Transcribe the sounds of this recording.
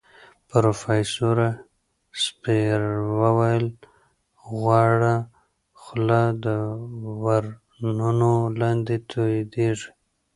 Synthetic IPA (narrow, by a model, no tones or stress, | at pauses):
pɾofajsoɾa | speɾwəwajəl | ɣwɑɽa | xlad̪əwaɾ | nunolɑnd̪et̪ʰod̪eʐ